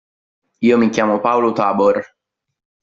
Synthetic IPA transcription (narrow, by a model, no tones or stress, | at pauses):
iːomikʲjaːmopawlot̪aːbor